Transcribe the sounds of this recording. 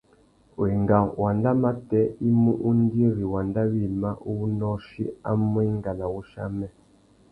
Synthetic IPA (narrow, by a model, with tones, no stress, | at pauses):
wi˨ŋɡa˨wa˨nda˦ma˦tɛ˦i˦mu˦ʔu˦n˦di˦e˦ɾi˨wa˨nda˦βi˦˨ma˦ʔu˦u˦nɔ˦ʃi˦a˦mwi˦ŋɡa˨na˨wu˦ʃa̰˦mɛ˦